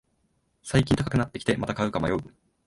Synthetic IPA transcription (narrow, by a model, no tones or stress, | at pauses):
saikʲĩnt̪akakɯ̟nat̪ːe̞kʲi̥t̪e̞mat̪akaɯ̟kama̰joɯ